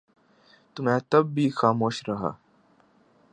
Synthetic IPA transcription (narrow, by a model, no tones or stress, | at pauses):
t̪um̤ãt̪əbːiːxaːmoːɕɾəɦa̰